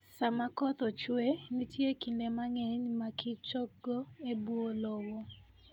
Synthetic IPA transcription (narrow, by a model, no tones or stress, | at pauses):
samakɔt̪ɔt͡ʃwenitjekindemaŋɛɲmakɪt͡ʃɔɡoebwolɔwɔ